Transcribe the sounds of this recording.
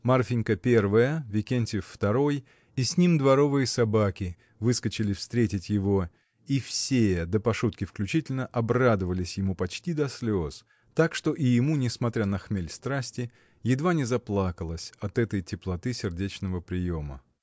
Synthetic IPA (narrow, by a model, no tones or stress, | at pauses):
marfʲɪnʲkəpʲe̞rvəjəvʲɪkʲenʲtʲɪfːt̪ɐɾo̞j | isʲnʲimd̪vɐɾo̞vɨjəsɐbakʲɪ | vɨskət͡ɕɪlʲɪfst̪ɾʲetʲɪtʲjɪvo̞ | ifsʲed̪əpɐʂut̪̚kʲɪfklʲʉt͡ɕitʲɪlʲnəʔɐbrad̪əvəlʲɪsʲjɪmupɐt͡ɕtʲid̪ɐsʲlʲos | t̪akʂt̪o̞ʔɪjɪmunʲɪsmɐt̪ɾʲanɐxmʲelʲst̪ɾasʲtʲɪ | jɪd̪vanʲɪzɐplˠakəlˠəsʲɐt̪ɛt̪əjtʲɪplˠɐt̪ɨsʲɪrdʲet͡ɕnəvəpɾʲɪjo̞mə̰